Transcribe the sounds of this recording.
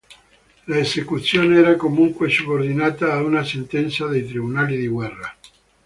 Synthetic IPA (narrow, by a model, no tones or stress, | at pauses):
laesekut̪sːjoːneɛɾakomuŋkwesubord̪inaːt̪aːunasent̪ɛnt̪sad̪ejt̪ɾibunaːlid̪iɡwɛrːa